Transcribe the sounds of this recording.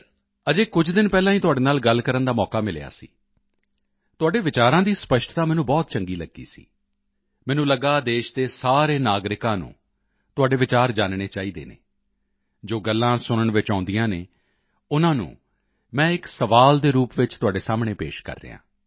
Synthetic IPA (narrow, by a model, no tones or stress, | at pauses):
əd͡ʒeːkʊd͡ʒd̪ɪnpɛːlãːiːt̪ʊaːɖeːnaːlɡəlkəɾənd̪aːmɔːkaːmɪlḛja̰ːsḭː | t̪ʊaːɖeːʋɪt͡ʃaːɾãːd̪iːspəʃʈt̪ãːmɛːnũːbɔːt̪t͡ʃəŋɡiːləɡːḭːsḭː | mɛ̃ːnũːləɡaːd̪eːʃd̪eːsaːɾeːnaːɡɾɪkãːnṵ̃ː | t̪ʊaːɖeːʋɪt͡ʃaːɾd͡ʒaːnɳeːt͡ʃaːiːd̪ḛːnḛː | d͡ʒoːɡəlːãːsʊnəɳʋɪt͡ʃãːnd̪ijãːneː | ʊnãːnṵ̃ː | mɛ̃ːɪksəʋaːld̪eːɾuːpʋɪt͡ʃt̪ʊaːɖeːsaːmɳeːpḛːʃkə̰ɾːḛːã̰ː